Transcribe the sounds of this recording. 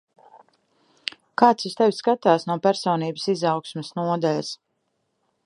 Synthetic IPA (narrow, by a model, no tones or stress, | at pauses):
kaːt̪sist̪ɛwʲskat̪aːsnuɔpæɾsɔːniːbəsizɑwksmɛsnuɔd̪alʲɐs